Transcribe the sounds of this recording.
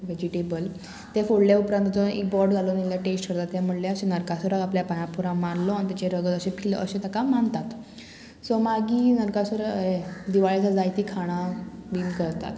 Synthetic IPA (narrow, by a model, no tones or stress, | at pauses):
ʋed͡ʑiʈebəl | t̪efoɽljaupɾãnt̪ət͡sɔḭkbɔɾɖd͡zʱalonilːjaʈesʈkʰəɾt̪at̪ːjam̤əʈleəɕẽnəɾkasoɾakapljapajãpuɾãmanlɔanit̪at͡ɕeɾəɡət̪əɕepʰil̰ə̰ɕẽt̪ʰakamant̪at̪ | sɔmaɡiːnəɾkasoɾəed̪iʋaɭet͡sad͡zajt̪iːkʰaɽ̃abinkəɾt̪a̰t̪